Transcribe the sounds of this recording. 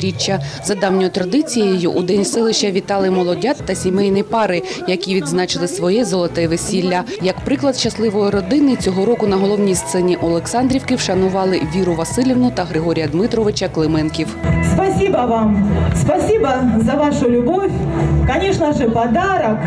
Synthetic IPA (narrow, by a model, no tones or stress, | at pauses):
ɾʲit͡ʃːɐzɐd̪ɑwnʲɔjɔt̪ɾɐd̪ɪt͡sʲijɐjṵʔud̪ɛnʲsɪlˠɪʃt͡ʃɐʋʲit̪ɑlˠɪjmɔlˠɔdʲat̪ːɐsʲimɛjnɪjpɑɾɪ | jɐkʲiʋʲid̪znɑt͡ʃɪlˠɪsʋɔjɛzɔlˠɔt̪ɛʋesʲilʲːɐ | jɐkpɾɪklˠɐd̪ʃɐslˠɪʋɔjiɾɔd̪ɪnɪt͡sʲɔɦɔɾɔkʊnɐɦɔlˠɔwnʲijst̪sɛnʲiʔɔlˠeksɑnd̪ɾʲiwkɪwʃɐnʊʋɑlˠɪʋʲiɾʊʋɐsɪlʲiʋnʊt̪ɐɦɾɪɦɔɾʲijɐd̪mɪt̪ɾɔʋɪt͡ʃɐklˠɪmɛnkʲiwspɐsʲibɐʋamspɐsʲibɐzɐʋaʂʊlʲʊbɔfʲkɐnʲɛʂnɐʐɨpɐd̪aɾɐk